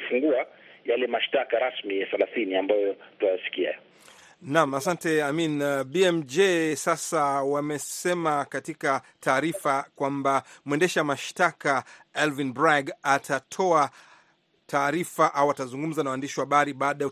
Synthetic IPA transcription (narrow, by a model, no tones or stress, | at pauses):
fuŋɡuajalɛmaʃtakaɾasmijaθalaθiniambajɔtuajasi̥kia̰ | namasantɛaminɓiɛmd͡ʒɛsasawamɛsɛmakatika | tʰaːɾifakwambamuwɛndɛʃɛamaʃtakaɛlvinbɾaɡatʰatʰɔa | tʰaːɾifaʔawatazuŋɡum̩zanawandiʃiwahaɓaɾiɓaːɗajɛ